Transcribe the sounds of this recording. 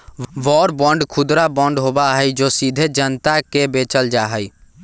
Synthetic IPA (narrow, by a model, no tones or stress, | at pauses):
ʋɔɾbəɳɖkʰud̪ɾabəɳɖɦobaɦəjd͡ʒosid̪ʱed͡ʒənt̪akebet͡ʃəld͡ʒaɦəj